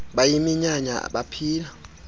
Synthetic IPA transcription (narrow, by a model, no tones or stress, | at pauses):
ɓajimiɲaɲa̰ɓapʰiːla